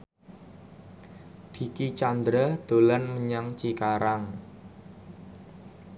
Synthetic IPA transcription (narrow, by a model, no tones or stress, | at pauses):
d̪̥i̤kit͡ʃand̪ɾad̪̥o̤lanməɲaŋt͡ʃikaɾaŋ